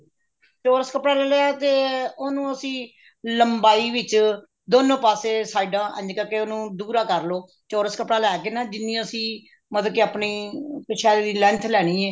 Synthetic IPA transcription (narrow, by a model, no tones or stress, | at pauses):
t͡ʃoːɾəskəpɽaːlɛːlɛaːt̪eːoːnũːəsĩː | ləmbaːiːʋɪt͡ʃ | d̪oːnõːpaːseːsaːiɖãːʔə̰̃ɲd͡ʒkəkeːoːnũːd̪uːɾaːkəɾloː | t͡ʃoːɾəskəpɽaːlɛːkeːnaːd͡ʒɪnːĩːəsĩː | mət̪əkeaːpɳiːkɪt͡ʃʰɛːd̪iːlɛ̃ːnt̪ʰlɛːɽ̃ĩːɛː